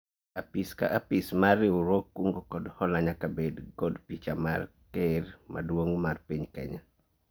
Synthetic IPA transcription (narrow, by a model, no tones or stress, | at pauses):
apiska̰ʔapismarɪuɾokːuŋɡokɔdhɔlaɲakabedɡɔdpit͡ʃama̰r | kermʔa̰dwoŋmarpiɲkɛ̰ɲa